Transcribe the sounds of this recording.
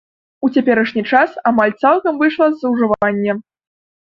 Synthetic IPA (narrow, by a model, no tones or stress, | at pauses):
ut͡sʲapʲɛɾɐʂnʲit͡ʂasamalʲt̪salˠkɐmvɨʂlˠɐzːɐwʐɨvanʲːɛ